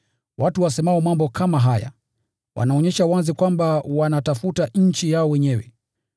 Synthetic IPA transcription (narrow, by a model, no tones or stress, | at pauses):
wʔatuwasɛmaɔmambɔkʰamaɦaja̰ | wʔa̰naɔɲɛʃawazikwambawanatafutaɲ̩t͡ʃijaɔwɛɲɛwɛ̰